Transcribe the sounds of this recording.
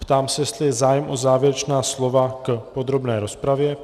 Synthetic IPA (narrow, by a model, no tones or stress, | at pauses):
pt̪aːmsɛjɛst̪lɪjɛzaːjɛmʔo̞zaːvjɛɾɛt͡ʃnaːslo̞vakpo̞d̪ɾo̞bnɛːɾo̞spɾavjɛ